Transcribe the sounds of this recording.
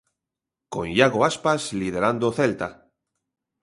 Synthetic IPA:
ko̰njaɣoaspaslið̞eɾand̪oθelt̪a̰

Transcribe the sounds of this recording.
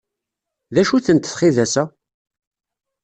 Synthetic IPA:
ðæʃuθənt̪θχiðæsæ

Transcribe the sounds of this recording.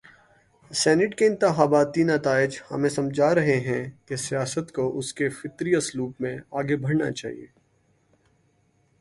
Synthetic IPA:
sɛːnɪʈkeɪ̃nt̪ɪxaːbaːt̪inɐt̪aːɪd͡ʒhɐ̰mẽsɐmd͡ʒʱaɾɐɦeɦɛ̃kesijaːsət̪koʔʊskefɪt̪ɾiɐsluːpmẽaːɡebʱɐɽna̰t͡ʃa̰ːɦḭḛː

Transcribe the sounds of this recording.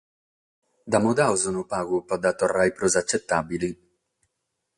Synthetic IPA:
d̪amod̪awzunupaɣupad̪at̪ɔrːajpɾozat͡ʃːɛt̪ːabili

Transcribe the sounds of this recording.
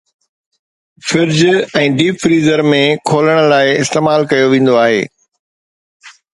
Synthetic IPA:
fɪɾd͡ʑɛ̃ːɖiːpfɾiːzəɾmẽkʰoːləɽ̃ə̆laːɪɪst̪eːmaːlkɐjoʋẽːn̆d̪oaːɦḛː

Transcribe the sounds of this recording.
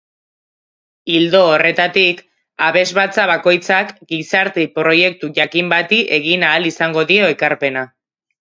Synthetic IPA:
ild̪oːre̞t̪at̪ik | aβe̞zβat͡saβako̞jt͡sakɡisaɾt̪epɾo̞je̞k̚t̪uʝakimbat̪iʔe̞ɣinaːlisaŋɡo̞ðio̞e̞kaɾpe̞na

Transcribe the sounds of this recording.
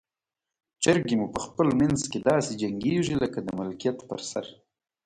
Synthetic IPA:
t͡ʃəɾɡimupəxpəlmanzked̪ɑsed͡ʒaŋɡeʐiləkad̪əmʊlkijat̪pə̰ɾsa̰ɾ

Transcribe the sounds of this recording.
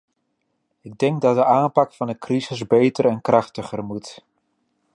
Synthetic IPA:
ɪɡ̚dɛŋɡ̚dɑt̚dəʔaːmpɑkfɑndəkrizɪzbejtəɾɛnkrɑχtəχərmut

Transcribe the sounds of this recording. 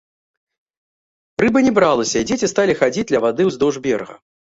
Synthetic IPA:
pɾɨbɨnʲɛbɾalˠɐsʲɐid͡zʲet͡sʲist̪alʲixad͡zʲid͡zʲd̪lʲɐvad̪ɨwzd̪ɔʐbʲɛrɣɐ̰

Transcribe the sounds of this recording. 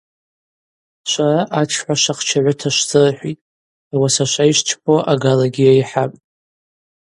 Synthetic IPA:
ʃʷaraʔat͡ʃʰħʷaʃaχt͡ʃʰaʕʷʊtʰaʃʷt͡sʼɨrħʷitʼ | awasaʃʷaiʃt͡ʃʰpʰoʔaɡalaɡʲijaiħapʼ

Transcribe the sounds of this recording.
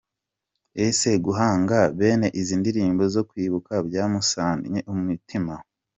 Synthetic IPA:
ese̞ɡuɦaːŋɡaβe̞ːne̞ʔiziːndiɾiːmbo̞zo̞kwiːβukabjaːmusaːnɲeʔumumitima

